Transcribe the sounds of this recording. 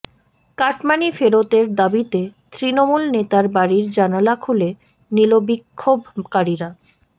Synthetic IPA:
kaʈmanifeɾot̪eɾd̪abit̪et̪ɾinomulnet̪aɾbaɾiɾd͡ʑanalakʰule | nilobikʰːobkaɾiɾa

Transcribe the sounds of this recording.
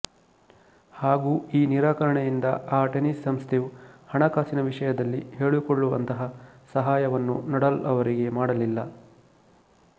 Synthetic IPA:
haːɡuːiːniɾaːkɐɾɐɳejind̪ɐaːʈenisːɐmst̪ʰejuhɐɳɐkaːsinɐʋiʂɐjɐd̪ɐlːḭhe̞ːɭukoɭːuʋɐ̰nt̪ɐɦɐsɐɦaːjɐʋɐnːunɐɽɐlɐʋɐɾiɡe̞maːɽɐlilːɐ

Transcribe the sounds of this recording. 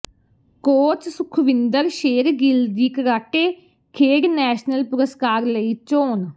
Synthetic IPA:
koːt͡ʃsʊkʰʋɪnd̪əɾʃeːɾɡild̪iːkəɾaːʈeː | kʰeːɾnɛːʃnəlpʊɾəskaːɾləiːt͡ʃoːn

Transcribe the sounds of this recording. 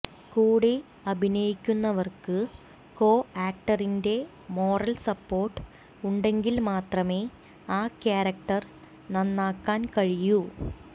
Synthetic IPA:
kuːɽe | ɐbʱinɐjikʲːunːɐʋɐrkɨ | ko̞ːaːk̚ʈɐrinde̞ | mo̞ːrɐlsɐpːo̞ːrʈːɨ̥ | uɳɖe̞ŋɡilmaːt̪rɐme̞ː | aːkjaːɾɐk̚ʈɐr | nɐnːaːkːaːnkɐɻiju

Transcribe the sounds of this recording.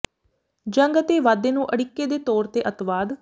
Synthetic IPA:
d͡ʒə̃ŋɡət̪eːʋaːd̪eːnũːʔəɽɪkːeːd̪eːt̪oːɾt̪eːʔət̪ʋaːd̪

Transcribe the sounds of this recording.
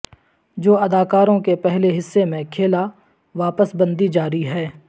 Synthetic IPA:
d͡ʒoːɐd̪aːkaːɾõkepɛɦleɦɪsːemẽkʰeːla | ʋaːpəsbə̃nd̪id͡ʒaːɾiɦɛː

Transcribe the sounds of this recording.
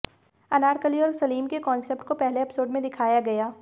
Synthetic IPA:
ɐnaːɾkəliɔːɾsɐliːmkekɔːnsep̚ʈkopɛɦleɐpsoːɾɖmẽd̪ɪkʰaːjaɡɐjaː

